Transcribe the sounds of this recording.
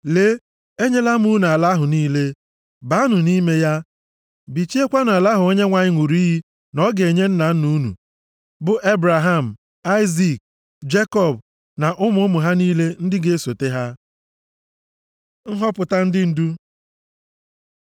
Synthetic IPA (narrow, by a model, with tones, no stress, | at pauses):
le˦ | e˦ɲe˦la˦mu˦n˨a˨la˦ɦʊ˨niː˦le˦ | ba˨˦a˦nʊ˨ni˦me˦ja˦ | bi˨t͡ʃi˦e˦kʷa˦n˨a˨la˦ɦʊ˨o˦ɲe˦ŋʷa˨ɲɪ˦ŋʷu˨ɾi˦ɦi˦ | nɔ˦ɡe˨ɲe˦n̩˦na˨n̩˦nu˦nṵ˨ | bʊ˨ʔe˦bɾa˨ɦa˦˨m̩˨ | a˦ɪ˦zi˨k̚ | d͡ʒe˦kɔ˦˨b | na˨ʔʊ˦mʊ˨˦ʊ˦mʊ˨ɦa˦niː˦le˦n̩˦dɪ˦ɡe˦e˦so˨te˦ɦa˦ | ŋ̩˦ɦɔ˦pʊ˨ta˦n̩˦dɪ˦n̩˨du˦